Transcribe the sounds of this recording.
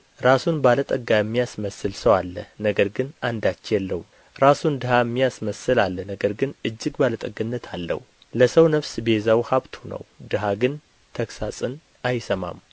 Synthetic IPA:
ɾasunbalət̪ʼəɡajɛmːijasməsːɨlsəwalːənəɡəɾɡɨnand̪at͡ʃːjɛlːəhu | ɾasund̪ɨhajɛmːijasməsɨlalːənəɡəɾɡɨnɨd͡ʒːɨɡbalət̪ʼəɡɨnːət̪ʰalːə̰hu | ləsəwnəfsbezawhaβt̪ʰunə̰wd̪ɨɦaɡɨn | t̪ʰəksasʼɨn | ajsəma̰m

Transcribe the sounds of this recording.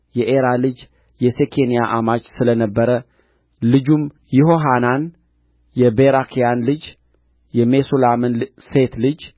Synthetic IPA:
jɛʔeɾalɨd͡ʒ | jɛsekʰenijaʔamat͡ʃsɨlənəbːəɾə | lɨd͡ʒum | jɪɦoɦanan | jɛbeɾakʰijanlɨd͡ʒ | jɛme̞solamɨnse̞t̪lɨd͡ʒ

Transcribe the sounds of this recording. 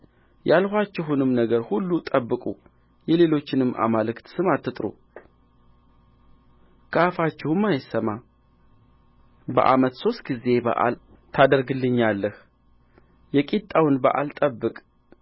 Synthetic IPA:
jalhʷat͡ʃːɪɦunɨmnəɡəɾhulːut̪ʼəbːɨkʼu | jɛle̞lo̞t͡ʃːɪnɨmːʔa̰malɨkt̪sɨmat̪ːɨt̪ʼɾṵ | kʰəafat͡ʃːɪhɨmːajɪsːəma | bə̰ʔa̰mət̪so̞st̪̚ɡize̞bə̰ʔa̰l | t̪ʰad̪əɾɡɨlːɨɲːalːəh | jɛkʼit̪ʼːawnbə̰ʔa̰lt̪ʼəbːɨkʼ

